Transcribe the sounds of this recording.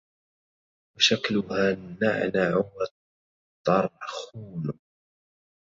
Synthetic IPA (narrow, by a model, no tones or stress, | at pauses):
waʃaklʊhaːna̰ʕnaʕʊmɾˤ | t̪ˤːɑɾˤʔaxuːl